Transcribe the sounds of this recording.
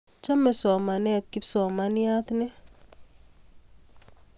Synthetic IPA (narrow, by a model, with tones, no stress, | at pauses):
t͡ʃa˦mɛ˨sɔ˨ma˨nɛ˦t̪̚ki˦psɔ˨ma˨nɪ˦a˦t̪nɛ˦